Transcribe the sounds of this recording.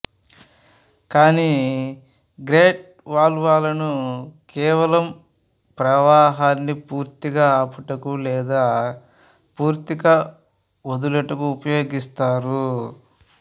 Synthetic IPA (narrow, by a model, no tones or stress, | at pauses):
kaːni | ɡɾeːʈ̚ | ʋaːlʋaːlɐnukɛːʋɐlɐm | pɾɐʋaːɦaːnːipuːɾt̪iɡaːaːpuʈɐkulɛːd̪aː | puːɾt̪iɡa | od̪ulɐʈɐkuːpɐjo̞ːɡist̪aːɾu